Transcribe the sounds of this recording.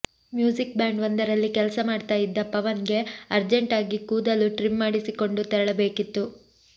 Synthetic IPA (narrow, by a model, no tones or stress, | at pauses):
mjuːd͡ʒik̚bjaːɳɖʋɐnd̪ɐɾɐlːikɛlɐsɐmaːɖt̪aːjid̪ːɐpɐʋɐnɡe̞ɐɾd͡ʒeɳʈaːɡikuːd̪ɐluʈɾimːaːɽisiko̞ɳɖut̪ɐɾɐɭɐbe̞ːkit̪ːu